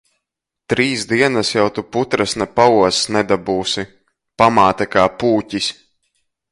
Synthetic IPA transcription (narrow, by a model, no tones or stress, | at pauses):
t̪ɾiːsd̪iɛnasjawt̪uput̪ɾasnɛpauɔsnɛd̪abuːsi | pamaːt̪akaːpuːcisʲ